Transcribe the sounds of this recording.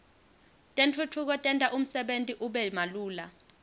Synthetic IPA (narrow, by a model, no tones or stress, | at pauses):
tʼent͡fʰutʰuk̬ɔtʼɛntʼaʔum̩sɛɓentʼiʔuɓɛmaluːla̰